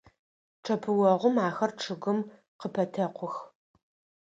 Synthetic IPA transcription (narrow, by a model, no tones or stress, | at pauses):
ʈ͡ʂʰɐpʰɨwɔʁʷʊmaːxɐrʈ͡ʂʰɨɣɨm | qəpʰɐtʰɐqʷʰʊx